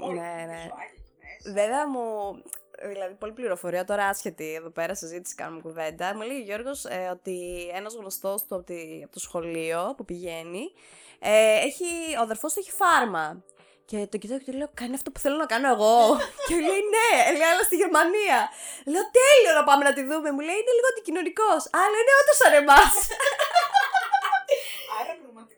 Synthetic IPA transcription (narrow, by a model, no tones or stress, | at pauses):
ne̞ne | veveɐmu | ðilɐðipo̞lipliɾo̞foɾiɐt̪o̞ɾɐɐsçe̞t̪ieðo̞pe̞ɾɐsizit̪isi̥kɐ̰nomukuve̞nd̪ɐmuileʝeʝo̞ɾɣo̞seo̞t̪ienɐzɣnost̪o̞st̪uɐpot̪iɐpot̪osxo̞lio̞pupiʝeni | eeçioɐðeɾfo̞st̪uçi̥fɐɾmɐ | ce̞t̪o̞cit̪ɐkt̪ileokɐniɐft̪opu̥θelonɐkɐno̞e̞ɣo̞ceule̞ine̞eleɐlɐst̪iʝe̞ɾmɐniɐle̞o̞t̪e̞lionɐpɐme̞nɐt̪iðume̞mule̞iineliɣoɐnd̪icino̞niko̞sɐlɐine̞o̞t̪osɐne̞mɐs